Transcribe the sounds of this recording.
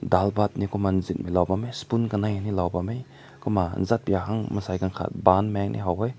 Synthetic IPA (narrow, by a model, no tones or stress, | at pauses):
dalbat̪̚nikuman̩zit̚milawbamejspunkanajnilawbamej | kuma̰n̩zat̪̚bijaɦaŋməsajkaŋkʰa̰t̪̚banmɛŋnʔḭɦawɦɔj